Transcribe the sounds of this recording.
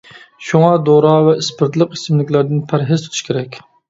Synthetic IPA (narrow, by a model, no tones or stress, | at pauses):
ʃuŋɑd̪oɾɑvɛispɨɾt̪lˠɨqi̥sɪmlɪkʲlæɾd̪ɪnpʰæɾɦɪzt̪ʰt̪ʰuʃkʲʰeɾɛkʲ